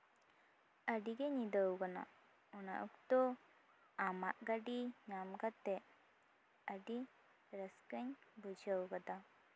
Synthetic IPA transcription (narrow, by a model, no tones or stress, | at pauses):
əɖiɡeɲid̪əwɡana̰ | ɔna̰ʔuk̚t̪ɔ | amaʔɡaɖiɲamɡat̪ɛʔ | əɖi | ɾəskəɲbud͡ʒəwɡad̪a